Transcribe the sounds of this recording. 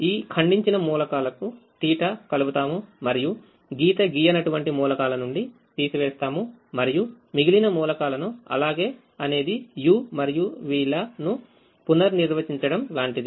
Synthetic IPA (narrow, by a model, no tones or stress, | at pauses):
iːkʰɐɳɖiɲt͡ʃinɐmuːlɐkaːlɐkuʈiːʈɐkɐluɡut̪aːmumɐɾiju | ɡiːt̪ɐɡiːjɐnɐʈuʋɐɳʈimuːlɐkaːlɐnuɳɖi | t̪iːsiʋeːst̪aːmumɐɾiju | miɡilinɐmuːlɐkaːlɐnuɐ̰laːɡe̞ː | ɐne̞ːd̪ijuːmɐɾijuʋiːɭɐnu | punɐɾniɾʋɐt͡ʃiɲt͡ʃɐɽɐmlaːɳʈid̪i